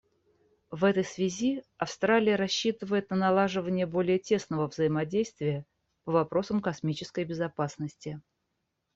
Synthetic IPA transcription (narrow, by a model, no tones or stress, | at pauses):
vɛt̪əjsvʲɪzʲiɐfst̪ɾalʲɪjəɾɐɕːit̪ɨvəjɪt̪nənɐlˠaʐɨvənʲɪjəbo̞lʲɪjətʲe̞snəvəvzəjɪmɐdʲejst̪vʲɪjə | pəvɐpɾo̞səmkɐsmʲit͡ɕɪskəjbʲɪzɐpasnəsʲtʲɪ